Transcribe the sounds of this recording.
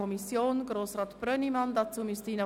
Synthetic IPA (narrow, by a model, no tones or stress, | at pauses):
ɔmisjoːnɡ̥roːsrɑːt̪b̥rœnimɑnd̪ɑt͡suːmistiːnə